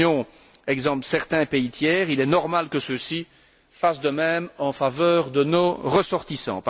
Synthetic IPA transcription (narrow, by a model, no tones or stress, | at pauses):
ɔ̃ | ɛɡzɑ̃psɛʁt̪ɛ̃peit̪jɛːʁilɛnɔʁmalkəsəsi | fasd̪əmɛmɑ̃favœːʁd̪ənoʁəsɔʁt̪isɑ̰̃p